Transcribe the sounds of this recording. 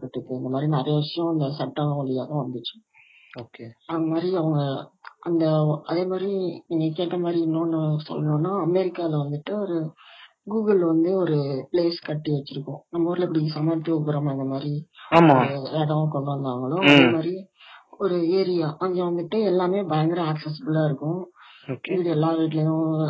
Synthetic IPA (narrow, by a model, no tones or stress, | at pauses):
kɪʈːɯkːɯɪnd̪ɐmaːd̪ɾinɐɾɐjɐʋɪʂɐjõɐnd̪ɐsɐʈːɐ̃ʋɐɭɪjaːðɐ̃ʋɐnd̪ɯt͡ʃːɯ̥ | oːkeɐðɯŋɡɐmaːd̪ɾiɐʋɐŋɡɐɐnd̪ɐɐðeːmaːd̪ɾiɪnekeːʈːɐmaːd̪ɾiɪnːõːnːɯsɔ̰lːɐnõːnːaːɐmɛɾɪkːaːlɐʋɐnd̪ɯʈːɯɔɾɯɡuːɣɐlʋɐnd̪ɯɔɾɯpleːskɐʈːiʋɛt͡ʃːɪɾɯkːʊ̃nɐmːɐɔɾlɛpːɐɽisɐmɐt̪ːɯɔkːɐɾɐmɐnd̪ɐmaːd̪ɾiaːmaɾɯeːɽɐkɔɳɖɐɾnd̪aːŋɡɐɭõːɐðeːmaːd̪ɾiɔɾɯeːɾɪjaʔɐʋŋɡɐʋɐnd̪ɯʈːɯɛlːaːmeːbɐjɐŋɡɐɾɐaːksɛs̬ɪbɯlaːɪɾɯkːʊ̃oɪʋiɽiɛlːaːʋiːʈ̬ːɪlɐjʊ̃